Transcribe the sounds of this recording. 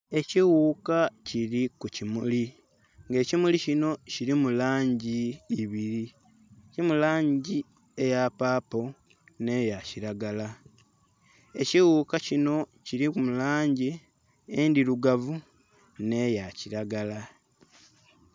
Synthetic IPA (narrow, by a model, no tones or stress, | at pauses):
e̞ciwuːkaciɾikucimuli | ŋɡe̞ːcimulicino̞ciɾimulaːɲɟiːβiɾi | cimulaːɲɟi | ejapaːpo̞ | ne̞jaciɾaɡala | e̞ciwuːkacino̞ciɾiumulaːɲɟi | endiluɡavu | ne̞jaciɾaɡala